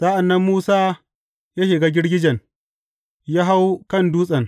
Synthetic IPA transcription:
saː˦ʔa˨nːɐ˦mːuː˦saː˦ | jaː˦ʃɪ˨ɡaː˦ɡʲɪ˦ɽɡʲɪ˦d͡ʒɐ˨n | jaː˦ɦa˦wkɐ˦˨nduː˦sʼɐ˨n

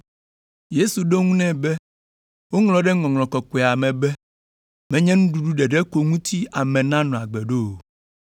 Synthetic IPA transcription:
je˦su˨ɖo˦ŋũ˦nɛ̃˦bɛ˦ | wo˦ŋlɔ̃˨ɖɛ˦ŋɔ̃˨ŋlɔ̃˨kɔ˨kɔ˨a˨mɛ̃˨bɛ˦ | mɛ̃˦ɲɛ̃˦nũ˦ɖu˨ɖu˦ɖɛ˨ɖɛ˦ko˨ŋũ˦t̪ʰi˦a˨mɛ̃˨nã˦nɔ̃˨a˨ɡ͡bɛ˨ɖo˦˨o˨

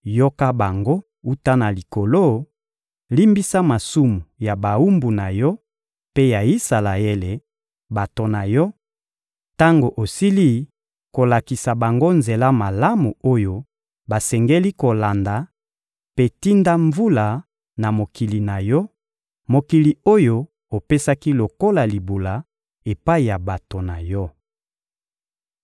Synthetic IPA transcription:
jo˦ka˦ba˨ŋɡo˦ | u˦ta˦na˨li˨ko˨lo˦ | li˦mbi˦sa˦ma˨su˦mu˨ja˨ba˨u˦mbu˨na˨jɔ˦ | pe˦ja˨i˦sa˨la˨e˦le˨ | ba˨to˨na˨jɔ˦ | ta˦ŋɡo˨ʔo˨si˦li˦ | ko˨la˨ki˨sa˨ba˨ŋɡo˦nze˨la˦ma˨la˦mu˨o˦jo˦ | ba˨sɛ˨ŋɡe˦li˦ko˨la˨nda˨ | pe˦ti˦nda˦ɱvu˦la˨ | na˨mo˨ki˨li˨na˨jɔ˦ | mo˨ki˨li˨o˦jo˦ | o˨pe˦sa˦ki˦lo˨ko˦la˨li˨bu˨la˨ | e˨pa˦i˨ja˨ba˨to˨na˨jɔ˦

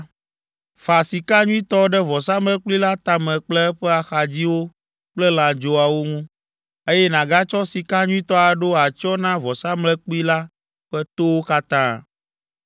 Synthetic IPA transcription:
fa˨si˨ka˦ɲũ˦ĩ˦t̪ɔ˦ɖɛ˦vɔ˨sa˦mlɛ˦k͡pli˦la˦t̪ã˦mɛ̃˨k͡plɛ˦ɛ˦ɸɛ˦a˨xa˨d͡ʑi˦wo˦ | k͡plɛ˦l̃ã˨d͡ʒo˦a˨wo˦ŋũ˦ | e˦jɛ˦nã˨ɡa˦t͡ʃɔ˦si˨ka˦ɲũ˦ĩ˦t̪ɔ˦a˨ɖo˦a˨t͡ʃɔ˦nã˦vɔ˨sa˦mlɛ˦k͡pi˦la˦ | ɸɛ˦t̪o˦wo˦ka˦t̪ã̰˦

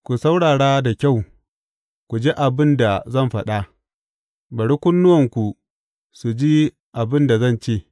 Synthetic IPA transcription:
kʷu˨sa˦wɽaː˨ɽaː˦da˨kʲa˦˨w | kʷu˨d͡ʒe˦ʔa˨bɪ˦nda˨zɐ˦mɸɐ̰˦ɗa˦ | bɐ˨ɽi˦kʷʊ˦nːʊ˦wɐ˨ŋkʷu˨ | su˨d͡ʒi˦ | ʔa˨bɪ˦nda˨zɐ˦˨nt͡ʃeː˦˨

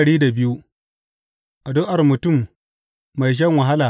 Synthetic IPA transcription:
ɽiː˦da˨bɪ˦ju˦ | ʔa˨doː˦ʔa˨rmʊ˨tʊ˦˨mː | a˨jʃ̬ɐ˦ŋwa˨ɦa˦laː˨

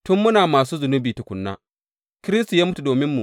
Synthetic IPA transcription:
tʊ˦mːʊ˦naː˨maː˨s̬uː˦zʊ˨nʊ˦biː˨ta˨kʷʊ˨nːa̰ː˦ | kɪ˦ɾɪ˦s̬tu˨jaː˦mʊ˦tu˨doː˨mɪ˦mːṵ˨

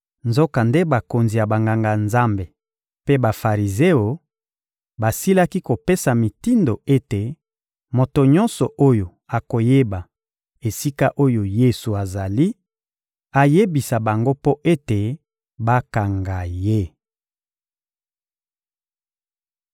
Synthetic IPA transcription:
nzo˦ka˨nde˦ba˨ko˨nzi˨ja˨ba˨ŋɡa˨ŋɡa˨nza˦mbe˨ | pe˦ba˨fa˨ʁi˨ze˦o˨ | ba˨si˦la˦ki˦ko˨pe˦sa˨mi˨ti˦ndo˨e˦te˨ | mo˨to˨ɲɔ˦nsɔ˨ʔo˦jo˨ | a˨ko˨je˦ba˨ | e˨si˦ka˦ʔo˦jo˨je˦su˨a˨za˨li˦ | a˨je˦bi˨sa˨ba˨ŋɡo˦po˦ʔe˦te˨ | ba˦ka˨ŋɡa˨je˦

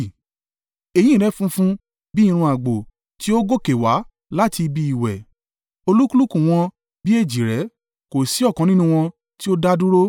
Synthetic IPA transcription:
e˨jĩ˦˨ɾɛ˨˦fũ˦fũ˦ | bi˦ĩ˦˧ɾ̃ũ˧a˨ɡ͡bo˨ | ti˦o˦ɡo˦ke˨wa˨˦ | la˦ti˧bi˧i˨wɛ̰˨ | o˧lu˦ku˦lu˦kũ˦˨w̃ɔ̃˧ | bi˦e˦˨d͡ʒi˨ɾɛ˨˦ | ko˨si˨˦ɔ˦˨kɔ̃˨˧nĩ˦nũ˦w̃ɔ̃˧ | ti˦o˦da˦du˦ɾo˦

